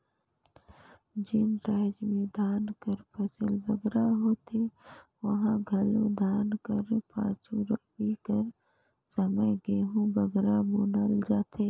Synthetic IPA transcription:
d͡ʒɪnɾaːd͡ʒmẽd̪ʱaːnkəɾpʰɐsəlbɐɡɾaɦoːt̪ʰeʋɐɦãɡʱɐlõd̪ʱaːnkəɾpã̰ːt͡ʃuɾɐbikəɾ | sɐməjɡeːɦũbɐɡɾabunəld͡ʒaːt̪e

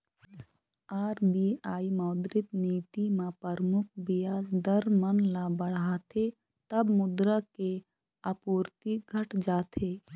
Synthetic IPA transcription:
aːɾbiaːimaːd̪ɾɪt̪niːt̪imãpəɾmʊkʰbɪjaːzd̪əɾmənlabəɽ̤aːt̪ʰe | t̪ɐbmʊd̪ɾəke | əpuːɾt̪iɡʱəʈd͡ʒaːt̪ʰeː

